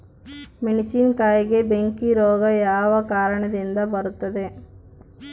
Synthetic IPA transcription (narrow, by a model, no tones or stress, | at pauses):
miɳisinkaːjɐɡebeŋkiɾoːɡɐjaːʋɐkaːɾɐɳɐd̪ind̪ɐbɐɾut̪ːɐd̪e